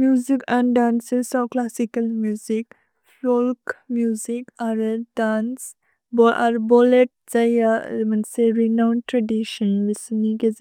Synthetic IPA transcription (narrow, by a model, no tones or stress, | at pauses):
mjuːzikãɳɖãːnsesɔklasikɐlmjuːzik | folkmjuːzikaɾdaːns | boʔa̰ɾboleʈ̚d͡ʒajamɐnseɾinãʊnʈɾɐɖiʃə̃nʋisnike